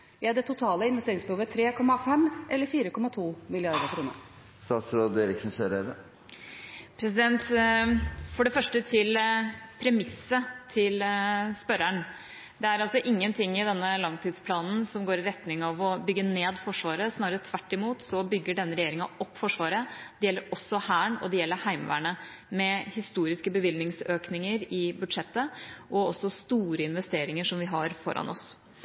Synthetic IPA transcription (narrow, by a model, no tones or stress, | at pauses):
ʋɪæɖɛt̪ʰʊt̪ʰɑːləɪnʋɛst̪eːɾɪŋsbɾuːʋət̪ʰɾeːkʰɔmːɑfɛmʔɛlːəɾfiːɾəkɔmɑt̪ʰuːmɪlɪɑɾd̪əɾkʰɾuːnə̰ɾ | st̪ɑːt̪sɾoːd̪əeɾɪksn̩søɾed̪ə | pʰɾɛsɪd̪ɛnt̪ | fɔɖɛfœʂʈət̪ʰɪlpʰɾɛmɪsːət̪ʰɪlspœɾæɳ | d̪ɛæɾɑlsɔʔɪŋːənt̪ʰɪŋːɪd̪ɛnːəlɑŋt̪ʰiːd̪spʰlɑːnn̩sɔmɡoːɾɪɾɛt̪nɪŋɑʋɔbʏɡːəneːd̪fɔʂʋɑːɾəsnɑːɾəət̪ʰʋæʈːɪmuːt̪sɔbʏɡːəɖɛnːəɾɛjeːɾɪŋɑɔpːfɔʂʋɑːɾəd̪̥ɛjɛlːəɾɔsːɔhæːɳɔ̰d̪ɛjɛlːəɾhæɪmʋæ̰ːɳə | mɛhɪst̪uːɾɪskəbəʋɪlnɪŋsøːknɪŋəɾɪbʉd̪ʂɛt̪ːəʔɔɔsːɔst̪uːɾəɪnʋɛst̪eːɾɪŋəʂɔmʋɪɦɑɾfɔ̰ɾʔɑ̰nɔ̰s